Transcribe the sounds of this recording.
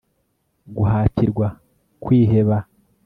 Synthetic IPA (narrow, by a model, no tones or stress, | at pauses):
ɡuɦaːciɾɡwa | kwiːɦe̞βa